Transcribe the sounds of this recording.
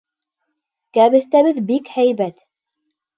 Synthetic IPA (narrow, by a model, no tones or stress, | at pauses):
kæβɘ̆θt̪æβɘðbikhæjβæt̪